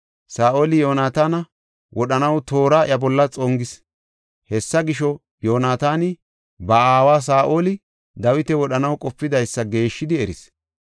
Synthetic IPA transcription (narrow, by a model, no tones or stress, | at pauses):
saːʔoːlɪjo̞ːnaːt̪aːnɐ | wʔɔɗɐnɐwt̪o̞ːɾaʔɐbɔlːɐt͡sʼɔŋɡɪs | hɛsːɐɡɪʃɔ | jo̞ːnaːt̪aːnɪ | bɐaːwaːs̬aːʔo̞ːlɪ | d̪ɐwɪt̪ɛwɔɗɐnɐwkʼɔpːɪd̪ɐjsːɐɡe̞ːʃːɪd̪ɪɛɾɪs